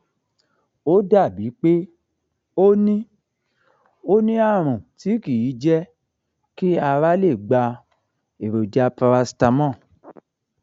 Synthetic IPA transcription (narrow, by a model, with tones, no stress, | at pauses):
o˦da˦˨bi˨˦k͡pe˦ | o˦nĩ˦ | o˦nĩ˦a˦˨ɾ̃ũ˨ti˨˦ki˦˨ji˨˦d͡ʒɛ˦ | ki˦a˧ɾa˦le˦˨ɡ͡ba˧ | e˨ɾo˨da˧pa˧ɾa˧sta˧mɔ̃˦˨